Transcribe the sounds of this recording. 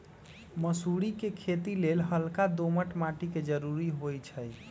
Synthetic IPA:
məsuɽikekʰet̪ilelɦəlkad̪oməʈmaʈiked͡ʒəɾuɾiɦojt͡ʃʰəj

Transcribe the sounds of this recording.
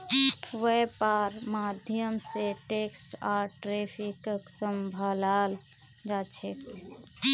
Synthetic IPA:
wepaɾmad̪ʱjəmseʈeksaʈɾepʰikəksəmbʱəlal | d͡ʒat͡ʃʰek

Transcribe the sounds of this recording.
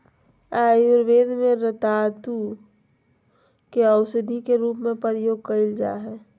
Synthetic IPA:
aːjʊɾʋeːd̪mẽɾət̪aːt̪u | keəwʃəd̪ʱikeɾuːpmẽpəɾjoːɡ̚kəɪld͡ʒa̰ːɦɛː

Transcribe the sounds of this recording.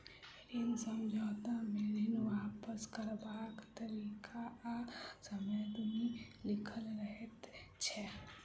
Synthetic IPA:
ɪnsəmd͡ʒʱɔːt̪ameɾinʋapəskəɾbaːkt̪əɾiːkʰaasəməjt̪ʊmilɪkʰəlɾəɦet̪t͡ʃʰɛ

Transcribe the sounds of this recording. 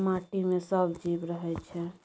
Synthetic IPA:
maʈimesəbʱd͡ʒibɾəɦɛt͡ʃʰɛ

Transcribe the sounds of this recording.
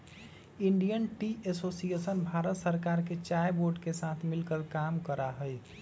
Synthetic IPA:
iɳɖijənʈiʔesosiesənbʱaɾət̪səɾkaɾket͡ʃajboɾɖkesat̪ʰmilkəlkamkəɾaɦəj

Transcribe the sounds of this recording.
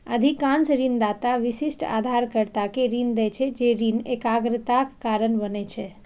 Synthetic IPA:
əd̪ʱikãnsɾind̪at̪aʋɪʃɪsʈa̰d̪ʱaɾkəɾt̪akeɾind̪ət͡ʃʰed͡ʒeɾinekaɡɾət̪akːaɾənbənet͡ʃʰe

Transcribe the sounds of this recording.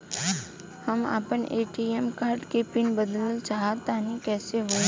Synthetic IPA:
həma̰ːpəneːʈiːɛmkaːɾɖkepɪnbəd̪ələlt͡ʃaːɦat̪aːnikɛːseɦo

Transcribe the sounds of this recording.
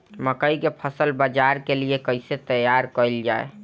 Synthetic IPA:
məkəikepʰəsəlbəd͡ʒaɾkeliekəɪset̪əjaɾkəld͡ʒaḛ

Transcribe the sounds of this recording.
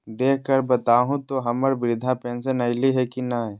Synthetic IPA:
d̪eːk̚ʰkəɾbət̪aːɦũt̪oɦɐməɾbɾɪd̪ʱãpɛ̃ːnsənɐɪliɦɛkinaɦ

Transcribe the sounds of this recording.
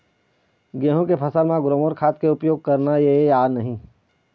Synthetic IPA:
ɡẽːɦõkepʰɐsəlmãɡɾoːmoɾkʰaːt̪keʊpjoːɡ̚kɐɾnajeaːnɐɦĩː

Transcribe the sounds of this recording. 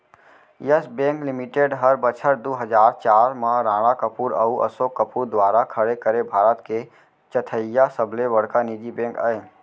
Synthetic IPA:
jəsbẽːklɪmɪʈeːɖɦəɾbət͡ʃʰəɾd̪oːɦəd͡ʒaːɾt͡ʃaːɾmãɾãːɽ̃akəpuːɾɐuʔɐ̰soːkːəpuːɾd̪waːɾakʰəɽekəɾebʱaːɾət̪ke | t͡ʃət̪ʰəjasəbleʋəɽkanid͡ʒibẽːŋkəẽ

